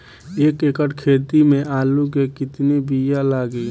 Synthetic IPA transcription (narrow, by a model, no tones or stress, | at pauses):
eːkekəʈkʰeːt̪imẽʔaːluk̬ekɪt̪nibijalaːɡi